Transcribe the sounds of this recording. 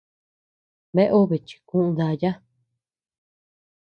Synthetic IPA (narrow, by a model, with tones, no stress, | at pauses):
βe˦ʔo˦βe˨t͡ʃi̥˨kũ˦ʔũ˧˦ða˧ja˦